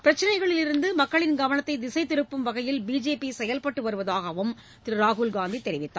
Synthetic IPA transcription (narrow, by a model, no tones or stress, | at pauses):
pɪɾɐt͡ʃːɪnɐɪɣɐɭɪlɪɾɯnd̪ɯmɐkːɐɭɪnɡɐʋɐnɐt̪ːɐɪd̪ɪsɐɪt̪ːɪɾɯpːɯmʋɐɣɐjɪlbiːd͡ʒeːpisɛjɐlpɐʈːɯʋɐɾɯʋɐðaːɣɐʋɯm | t̪ɪɾɯɾaːɣulɡaːnd̪it̪ːɛɾɪʋɪt̪ːaː